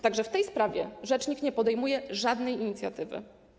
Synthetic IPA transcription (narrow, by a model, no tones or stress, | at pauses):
t̪aɡʐɛft̪ɛjspɾavʲjɛʐɛt͡ʂɲikɲɛpɔd̪ɛjmujɛʐad̪nɛjiɲit̪sʲja̰t̪ɘvɘ̰